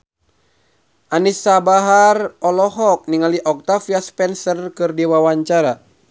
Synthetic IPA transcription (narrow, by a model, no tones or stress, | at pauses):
ʔanisabaɦarɔlɔɦɔk̚niŋaliʔɔk̚t̪afiaspɛnsərkɨrdiwawaɲt͡ʃaɾa